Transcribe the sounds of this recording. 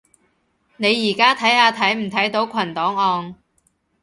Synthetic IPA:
ne˨˧jːiː˨˩kaː˥t̪ʰɐ˨˥jhaː˨˧t̪ʰɐ˨˥jm̩˨˩t̪ʰɐ˨˥jt̪o˨˥wkʰɐ˨˩nt̪ɔː˨˥ŋɔː˧n

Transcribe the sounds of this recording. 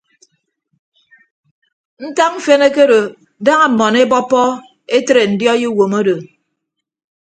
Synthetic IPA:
n̩˦ta˦km̩˦fe˦ne˦ke˦ɾo˨ | da˦ŋa˨mɔ˨ne˦bɔ˦pːɔ˦ | e˦tɾe˨n̩˨djɔ˦ji˦wo˨mo˦do˨

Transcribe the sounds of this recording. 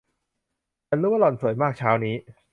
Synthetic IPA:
a˧nlɯː˦˥wa˥˩lɔ˨˩nsu˨˩˦əjmaː˥˩k̚t͡ɕʰaː˦˥wniː˦˥

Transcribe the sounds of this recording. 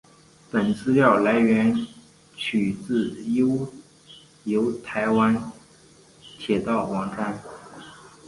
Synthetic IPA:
pə˨˩nt͡sʰɹ̩˥ljɑ˥˩ʊla˧˥ɪɥɛ˧˥n | t͡ɕʰy˨˩t͡sɹ̩˥˩jo˥ʊ | jo˧˥ʊt̪ʰa˧˥ɪwa˥n | t̪ʰjɛ˨˩t̪ɑ˥˩ʊwɑ˧˥ŋʈ͡ʂa˥n

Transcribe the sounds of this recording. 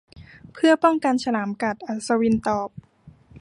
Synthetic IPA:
pʰɯ˥˩ɐpɔ˥˩ŋka˧nsʰa˧laː˩˦mka˨˩t̪̚ʔa˨˩sa˧wi˧nt̪ɔː˨˩p̚

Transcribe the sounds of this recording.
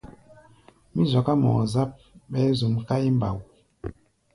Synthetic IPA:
mi˦zɔ˨ka˦mɔ̰˨za˦p̚ɓɛ˦zu˨mka˦i˦m˨ba̰˨w

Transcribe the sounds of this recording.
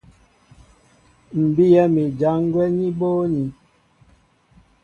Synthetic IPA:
m̩˨bi˦jɛ˦mi˨d͡ʒa˨˦ŋ˦ɡwɛ˦ɲi˦boː˦ɲi˨

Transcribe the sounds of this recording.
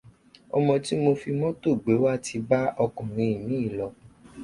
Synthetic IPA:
ɔ̰˧mɔ̃˧ti˦mo˧fi˧mɔ̃˦to˦˨ɡ͡be˨˦wa˦˨ti˧ba˦ʔɔ˧kũ˨ɾ̃ĩ˧i˨mĩ˨˦i˦˨lɔ˨

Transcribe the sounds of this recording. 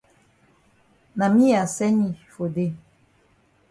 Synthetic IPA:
na˨mi˦ja˨sɛ˦ɲi˨fo˨de˦˨

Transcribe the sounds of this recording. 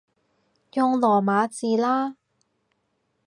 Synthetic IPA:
jɔː˧ŋlɔː˨˩maː˨˧˥t͡siː˨laː˥

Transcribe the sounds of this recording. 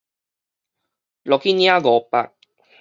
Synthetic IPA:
lɔ˨ki˦nja˦ɡɔ˨pa̰˨k̚

